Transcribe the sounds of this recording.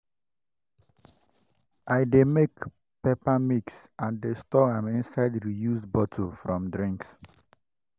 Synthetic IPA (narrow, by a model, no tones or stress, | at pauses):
ʔaɪdemek | pepamiks | ãndestɔãmɪ̃nsaɪdɹijusbɔtʰofɹɔ̃mdɹĩŋks